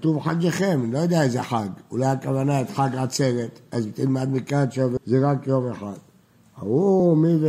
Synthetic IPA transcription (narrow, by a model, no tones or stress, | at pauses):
t̪uvħaɡeχɛmlojod̪eaɛzeħaɡulajakavanaet̪ħaɡat͡sevet̪azt̪ilmad̪mikat͡savzɛʁakjomeħad̪̥̚ | a̰humiv